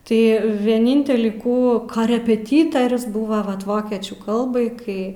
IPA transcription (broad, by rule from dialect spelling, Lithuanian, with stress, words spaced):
tɐɪ ʋʲiɛˈnʲɪnʲtʲɛlʲiː ˈkuː kɐrʲɛpʲɛˈtʲiːtɐrʲʊs ˈbʊʋɐ ˈʋɐt ˈʋoːkʲiɛt͡ʃʲuː ˈkɐlˠbɐɪ ˈkɐɪ